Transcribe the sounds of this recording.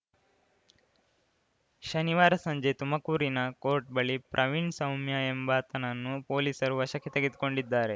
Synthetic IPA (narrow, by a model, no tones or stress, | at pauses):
ʃɐniʋaːɾɐsɐɲd͡ʒet̪umɐkuːɾinɐko̞ːɾʈ̚bɐɭipɾʔɐʋiɳsɐwmjɐembɐt̪ɐnɐnːupoːliːsɐɾuʋɐʃɐkːet̪eɡid̪uko̞ɳɖid̪ːaːɾe̞